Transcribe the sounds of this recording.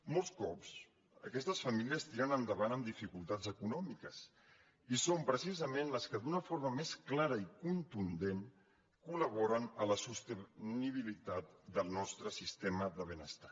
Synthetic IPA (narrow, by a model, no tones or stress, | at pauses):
molˠskɔps | əkɛst̪əsfəmiliəst̪iɾənənd̪əβanəmd̪ifikulˠt̪azəkunɔmikəs | isompɾəsizəmenləskəd̪unəfoɾməmesklaɾəikunt̪und̪en | kuləβ̞ɔɾənələsust̪əniβ̞ilit̪at̪̚d̪əlˠnɔst̪ɾəsist̪eməðəβ̞ənəst̪ḁ